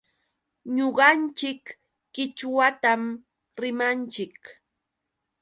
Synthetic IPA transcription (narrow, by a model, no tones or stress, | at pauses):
ɲoɢɑnt͡ʃɪkː | ɪt͡ʃwat̪am | ɾɪmant͡ʃɪk